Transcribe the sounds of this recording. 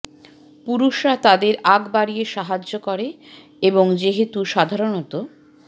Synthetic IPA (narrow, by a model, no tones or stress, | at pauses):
puɾuʃɾat̪ad̪eɾaɡbaɾijeʃaɦad͡ʑːokɔɾe | eboŋd͡ʑeɦet̪uʃad̪ʱaɾonot̪o